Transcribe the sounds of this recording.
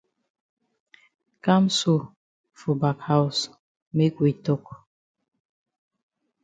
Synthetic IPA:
ka˦msu˦˨ | fu˨ba˨kha˦u˨s | me˦ki˨tɔ˦k

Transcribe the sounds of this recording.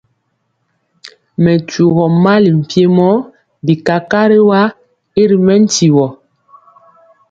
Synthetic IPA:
mɛ˨tu˨ɣɔ˨ma˦li˨m̩˨pje˦mɔ˦ | bi˨ka˨ka˦ɾe˦wa˦ | i˦ɾi˨mɛ˦n̩˦ti˨wɔ˨

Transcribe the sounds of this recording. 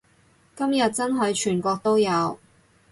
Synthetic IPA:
kɐ˥mjɐ˨t̚t͡sɐ˥nɦɵ˨˧ɥt͡ʃʰyː˨˩nkʷɔː˧k̚t̪o˥wjɐ˨˧w

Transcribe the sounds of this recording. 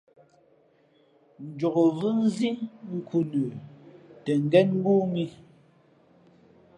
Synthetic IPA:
n̩˨d͡ʒɔ˨ɣo˨vɨ˦n̩˦zi˦ŋ̩˦kʰu˨nə˨tɛ˨ŋ̩˨ɡɛ˦nŋ̩˦ɡu˦ŋi˦

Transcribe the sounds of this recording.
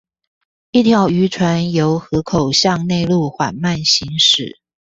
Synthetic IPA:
i˥˩t̪ʰjɑ˧˥ʊy˧˥ʈ͡ʂʰwa˧˥njo˧˥ʊxɤ˧˥kʰo˨˩ʊɕjɑ˥˧ŋne˥˧ɪlu˥˩xwa̰˨˩nma˥˩nɕi˧˥ŋʂɻ̩˨˩˦

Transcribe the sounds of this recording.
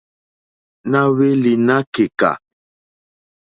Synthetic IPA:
na˦we˦li˨na˦ke˨ka̰˨

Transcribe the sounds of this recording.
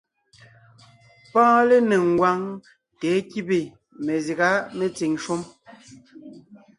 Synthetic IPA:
pãː˦le˦ne˨ŋ̩˨ɡwa˦ŋ | tɛ˨˦ki˦be˨ | me˨zi˨ɣa˦me˦t͡si˨ŋʃo˦m

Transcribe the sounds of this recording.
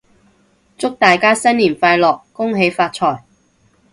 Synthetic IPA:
t͡sʊ˥k̚t̪aː˨jkaː˥sɐ˥nliː˨˩nfaː˧jlɔː˨kːʊ˥ŋɦe˨˥jfaː˧t̚t͡sʰɔː˨˩j

